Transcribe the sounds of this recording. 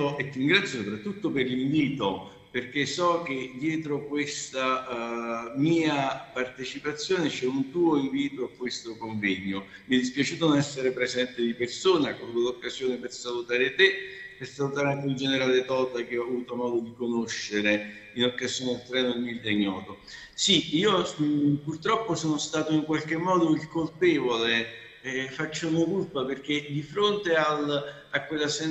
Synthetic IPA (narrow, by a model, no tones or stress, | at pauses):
oet̪ːiiŋɡɾat̪sjosopɾat̪ːut̪ːoperliɱviːt̪o | perk̟esɔk̟ed̪jɛːt̪ɾokwest̪a | miːapart̪et͡ʃipat̪sːjoːnet͡ʃɛunt̪uːoiɱviːt̪oakːwest̪okoɱvɛɲːo | miɛd̪ispjat͡ʃuːt̪onnɛsːeɾepɾezɛnt̪ɪd̪ipersoːneakavut̪olokːazjoːnepersalut̪aːɾet̪epersalut̪aɾeaŋkɪund͡ʒeneɾalet̪ɔːt̪ak̟eɔavuːt̪omɔːd̪od̪ikonoʃːeɾe | inokːazjoːnɪelt̪ɾɛːnomild̪eɲːɔːd̪o | siiːopurt̪ɾɔpːosoːnost̪aːt̪oiŋkwalk̟emːɔːd̪oilkolpɛːvole | fat͡ʃːamokulpaperk̟ed̪ifɾont̪eal | akːwelːasɛ